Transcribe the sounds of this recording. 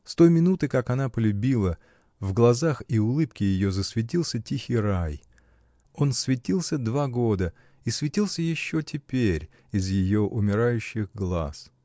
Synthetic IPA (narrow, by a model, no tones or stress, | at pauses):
st̪o̞jmʲɪnut̪ɨkakɐnapəlʲʊbʲilˠə | vɡlˠɐzaxiʊlˠɨpkʲɪjɪjo̞zəsvʲɪt̬ʲilˠsʲətʲixʲɪjɾaj | o̞nsvʲɪtʲilˠsʲəd̪vaɡo̞d̪ə | isvʲɪtʲilˠsʲəjɪɕːo̞tʲɪpʲeɾʲ | ɪzjɪjo̞ʔʊmʲɪɾajʉɕːɪɣɡlˠa̰s